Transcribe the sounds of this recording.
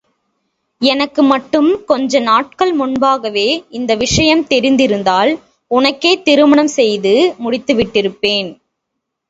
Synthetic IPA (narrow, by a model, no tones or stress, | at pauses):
ɛnɐkːɯmɐʈːɯmkɔɲd͡ʒɐnaːʈ̚kɐɭmʊnbaːɣɐʋeːɪnd̪ɐʋɪʂɐjɐmt̪ɛɾɪnd̪ɪɾɯnd̪aːl | ʊnɐkːeːt̪ɪɾɯmɐɳɐmsɛjðɯmʊɽɪt̪ːɯʋɪʈːɪɾɯpːeːn